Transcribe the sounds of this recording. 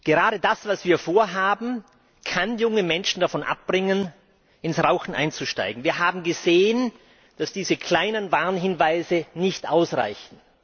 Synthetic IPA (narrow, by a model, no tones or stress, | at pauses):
ɡ̥əʁaːɾədasv̥asv̥iːɐfoːɐɦaːbm̩ | kʰanjʊŋəmɛnʃn̩dafɔnʔa̰p̚b̥ʁɪŋən | ʔɪnsʁaʊxn̩ʔa̰ɪnt͡suʃta̰ɪɡŋ̩viːɐɦaːbm̩ɡəzeːən | d̥asd̥iːzəkʰl̥aɪnənvaɐnɦɪnvaɪzənɪçtʔaʊsʁa̰ɪçn̩